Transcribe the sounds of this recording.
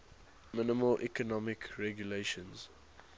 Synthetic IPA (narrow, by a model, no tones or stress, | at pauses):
mɪnɪməlʔikɔnɔmɪkɹɛɡjuleʃə̃nz̥